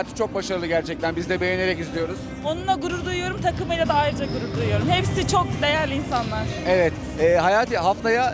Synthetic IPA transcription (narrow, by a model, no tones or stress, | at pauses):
aːt̪ʰɯ̥t͡ʃʰo̞k̚baʃaɾɯlˠɯɟæɾt͡ʃʰɛc̚t̪ʰænbizd̪ɛbejene̞ɾɛcizlʲijo̞ɾuz | o̞nunaɡuɾuɾd̪ujujo̞ɾumt̪ʰakɯmɯjlʲad̪aajɾɯd͡ʒaɡuɾuɾd̪ujjo̞ɾumhepsit͡ʃʰo̞k̚d̪e̞jælʲinsanlˠaɾ̥evɛt̪ | ɛːɦajaːt̪ʰɯɦaft̪ʰaja